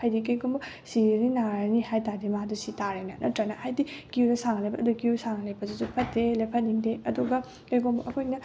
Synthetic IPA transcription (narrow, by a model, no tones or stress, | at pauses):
hajdikɐjɡombɐ | siɾininaɾɐnihajtadimadusitaɾajnɐnʔɐtɾɐnɐhajdikiuɾɐsaŋɐlɐjbɐːdukiusaŋɐlɐjbɐsisupʰɐtːelepʰɐt̚niŋdeɐduɡɐ | kɐjɡombɐʔɐkʰojnɐ